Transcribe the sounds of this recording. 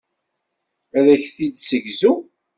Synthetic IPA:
æðæçθid̪səʝzu

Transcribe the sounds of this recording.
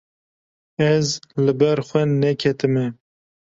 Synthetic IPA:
ɛzlɨbɛɾxʷɛnɛkʰɛt̪ɨmɛ

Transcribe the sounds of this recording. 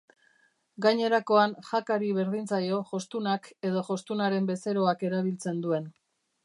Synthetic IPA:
ɡaɲe̞ɾako̞anxakaɾiβe̞ɾðint͡sajo̞ʝo̞st̪unake̞ðo̞ʝo̞st̪unaɾe̞mbe̞se̞ɾo̞ake̞ɾaβ̞ilt͡se̞nd̪ue̞n

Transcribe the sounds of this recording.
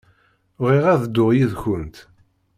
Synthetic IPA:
ʁiʁæðd̪ːʊʁjiðçʊnt̪

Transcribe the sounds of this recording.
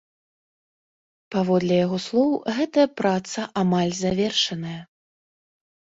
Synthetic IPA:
pavɔd̪lʲɛjaɣɔslˠɔwɣɛt̪ɐjɐpɾat̪sɐʔamalʲzavʲɛrʂɐnɐjɐ

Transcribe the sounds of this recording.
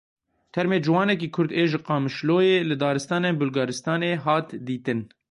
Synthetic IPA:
t̪ʰɛɾmeːd͡ʒɪwɑːnɛk̬iːkʰʊɾd̪eːʒɪqɑːmɨʃloːjeːlɨd̪ɑːɾɨst̪ɑːneːnbʊlɡɑːɾɨst̪ɑːneːɦɑːt̪d̪iːt̪ɨn

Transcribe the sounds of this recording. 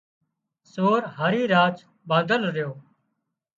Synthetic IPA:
soːɾɦəɾiːɾaːt͡ʃ | bãːnd̪əlɾɪjoː

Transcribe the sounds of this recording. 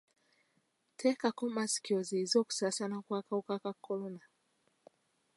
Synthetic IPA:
tʰɛkakɔmaskjɔzizɔku̥sasanakwakaukakakʰɔlɔna

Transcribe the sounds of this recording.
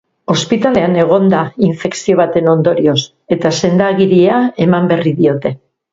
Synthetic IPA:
o̞spit̪ale̞ane̞ɣ̞o̞nd̪aiɱfe̞ksio̞β̞at̪e̞no̞nd̪o̞ɾio̞s | e̞t̪ase̞nd̪aɣiɾiae̞mambe̞riðio̞t̪e̞

